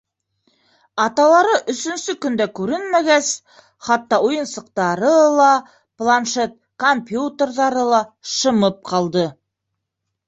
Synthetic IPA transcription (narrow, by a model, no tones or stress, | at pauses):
ɑt̪ɑlˠɑɾɤʔɵ̆sɵ̆nsɵkɵ̆nd̪ækʉɾɘnmæɡæs | χɑt̪ːɑujɤ̆nsɤ̆q̚t̪ɑɾɤlˠɑ | plˠanʃet̪̚kompʲjut̪erðɑɾɤlˠɑʃɤ̆mɤp̚qɑlˠd̪ɤ